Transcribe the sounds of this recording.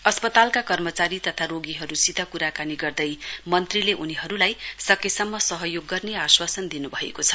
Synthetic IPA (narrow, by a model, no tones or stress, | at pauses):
ʌspʌt̪alkakʌrmʌt͡saɾit̪ʌt̪ʰaɾoɡiɦʌɾusit̪ʌkuɾakaniɡʌrd̪ʌjmʌnt̪rileʔuniɦʌɾulajsʌkesʌmːʌsʌɦʌjoɡːʌrneaswasʌnd̪inubʱʌḛkot͡sʰʌ̥